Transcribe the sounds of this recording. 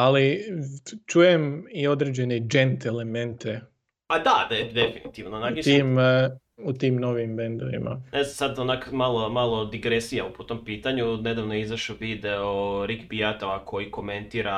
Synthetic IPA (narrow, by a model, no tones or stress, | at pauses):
ali | t͡ʃuːjemio̞d̪ɾed͡ʑe̞ned͡ʒe̞nt̪ele̞me̞nt̪ʰe̞ | ad̪ad̪ed̪efinit̪iʋnonaɡit̪iːm | ut̪iːmno̞ʋimbe̞nd̪o̞ʋḭma̰nezasad̪onakmalˠomalˠod̪iɡɾesijampot̪o̞mpiːt̪aɲuned̪aʋnojeizaʃoʋid̪eoɾikbiat̪oakʰo̞jiko̞me̞nt̪iɾa